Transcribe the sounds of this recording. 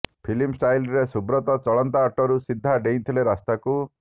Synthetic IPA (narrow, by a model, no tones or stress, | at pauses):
pʰilimsʈajlɾesubɾɔt̪ɔt͡ʃɔɭɔnt̪aːʈɔɾusid̪ʱːaɖejnt̪ʰileɾast̪aku